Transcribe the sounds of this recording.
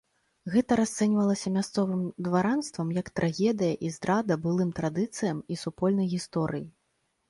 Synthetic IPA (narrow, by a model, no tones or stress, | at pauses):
ɣɛt̪ɐɾast̪sɛnʲvɐlˠɐsʲɐmʲast̪sɔvɨmd̪vaɾanst̪vɐmjɐkt̪ɾʔaɣʲɛd̪ɨjɐʔizd̪ɾad̪ɐbɨlˠɨmt̪ɾad̪ɨt̪sɨjɐmisupɔlʲnɐjɣʲist̪ɔɾɨji